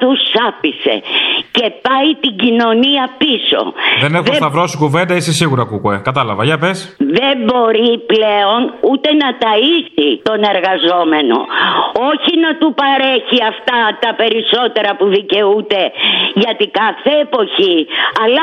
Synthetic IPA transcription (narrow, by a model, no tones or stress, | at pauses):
t̪usɐpise̞̰ce̞pɐit̪iɟino̞niɐpiso̞̰ðenexðoest̪ɐvɾo̞sikuve̞nd̪ɐisisiɣuɾɐkukuekɐt̪ɐlɐvɐʝɐpesðe̞bo̞ɾiple̞o̞nut̪e̞nɐt̪ɐisit̪o̞ne̞ɾɣɐzo̞me̞no̞̰oçinɐt̪upɐɾeçiɐft̪ɐt̪ɐpe̞ɾiso̞t̪e̞ɾɐpuðice̞ut̪e̞ʝɐt̪ikɐθe̞ːpo̞çiɐlɐ